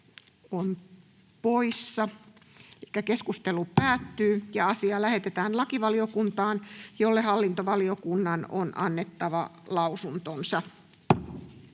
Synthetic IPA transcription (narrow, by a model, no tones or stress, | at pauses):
on | poisːɑelikːækeskust̪elupæːt̪ːyːjɑɑsiɑlæhe̞t̪et̪æːnlɑkiʋɑliokunt̪ɑːnjolːehɑlːint̪oʋɑliokunːɑno̰nʔɑ̰nːet̪ːɑʋɑlɑusunt̪onsɑ